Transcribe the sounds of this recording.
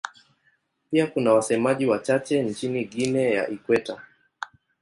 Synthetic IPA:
piakunawasɛmaʄiwat͡ʃat͡ʃɛnt͡ʃiniɠinɛja̰ʔikwɛta

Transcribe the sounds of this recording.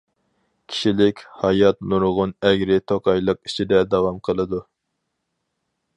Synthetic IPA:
kʲʰi̥ʃilɪkʲhɑjɑt̪nuɾʁʊnɛɡʲɾɪt̪ʰoqʰɑjlˠəqit͡ʃʰid̪ɛd̪ɑwɑmqʰəlˠɨd̪u

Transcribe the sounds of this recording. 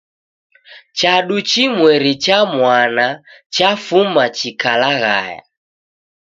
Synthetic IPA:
t͡ʃaɗut͡ʃimwɛɾit͡ʃamwanat͡ʃafumat͡ʃikalaɣa̰ja̰

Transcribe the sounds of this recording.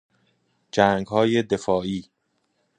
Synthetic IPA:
d͡ʒæːŋɡhɒːje̞d̪e̞fɒːiː

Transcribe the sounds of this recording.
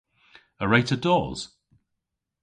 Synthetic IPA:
əɹeɪtədɔːz̥

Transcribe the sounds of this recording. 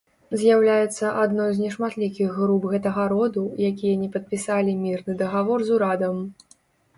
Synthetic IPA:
zʲjawlʲajɛt̪sːɐʔad̪nɔjzʲnʲɛʂmat̪lʲikʲiɣːɾubɣɛt̪ɐɣɐɾɔd̪ujak̬ʲijɐnʲɛpɐt̪̚pʲisalʲimʲirnɨd̪ɐɣavɔrzuɾad̪ɐm

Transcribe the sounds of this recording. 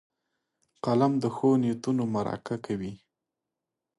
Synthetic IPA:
qalamd̪əxonet̪unomaɾɑ̰kakawi

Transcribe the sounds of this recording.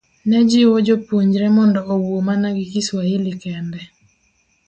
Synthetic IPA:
nɛd͡ʒɪwod͡ʒopuɲd͡ʒɾɛmɔndɔːwwomanaɡɪkiswailɪkɛndɛ

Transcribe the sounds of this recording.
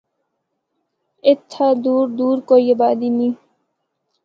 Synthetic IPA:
ɪt̪ʰːad̪uːɾd̪uːɾkoːiɐbaːd̪iːmiː

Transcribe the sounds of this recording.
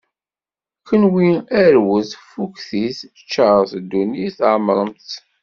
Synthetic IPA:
kənwiæɾwəθfukθiθ | t͡ʃːəɾˤθd̪ːuniθʕməɾˤəmt̪

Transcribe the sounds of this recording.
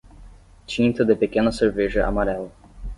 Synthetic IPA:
t͡ʃĩnt̪ɐd̪epekẽnɐseɾveʒɐʔa̰maɾɛlɐ

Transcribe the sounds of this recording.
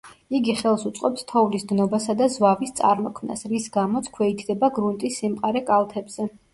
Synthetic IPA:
iɡiχɛlˠsut̪sʼqʼɔpst̪ʰɔvlisd̪nɔbasad̪azwavist̪sʼa̰ɾmɔkʰmna̰sɾisɡamɔt̪sʰkʰwɛid̪ʰd̪ɛbaɡɾunt̪ʼisːimqʼaɾɛkʼalˠt̪ʰɛbz̥ɛ

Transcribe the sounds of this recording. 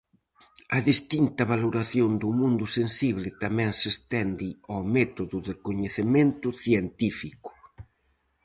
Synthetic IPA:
ɐðist̪int̪ɐβaloɾaθjond̪ʊmũnd̪ʊsensiβ̞lɪt̪amɛ̃ŋsest̪ɛnd̪ɪamɛt̪oðʊðɪkoɲeθemẽnt̪ʊθjent̪ifikʊ̥

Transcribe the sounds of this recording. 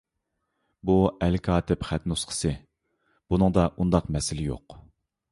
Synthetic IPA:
buɛlkʰɑːt̪ɪpχæt̪nusqʰə̥sɨ | b̥unɨŋd̪ɑʔund̪ɑqmɛsɪlɪjo̰q

